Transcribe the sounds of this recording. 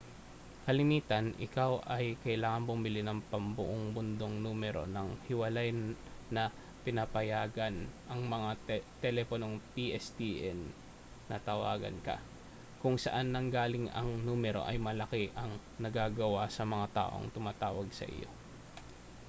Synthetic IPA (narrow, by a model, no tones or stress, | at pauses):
kɐlɪmiːt̪ɐnʔɪ̰kawʔɐjkɐʔɪlaːŋɐnbʊmɪlinɐŋpɐmbʊʔoŋbʊnd̪o̞ŋnuːmɛɾo̞nɐŋhɪwɐlajnnɐ | pɪnɐpɐjaːɡɐnʔɐŋmɐŋat̪ɛlɛponoŋpiʔɛst̪iʔɛnː | ɐt̪ɐwa̰ːɡɐ̰nkɐ̰ | kʊŋsɐʔanːɐŋɡaːlɪŋɐ̰ŋnuːmɛɾo̞̰ʔɐjmɐlɐkɛʔɐŋ | nɐɡaːɡɐwasɐmɐŋat̪a̰ːʔo̞̰ŋt̪ʊmaːt̪aːwɐɡsɐ̰ʔɪ̰jo̞̰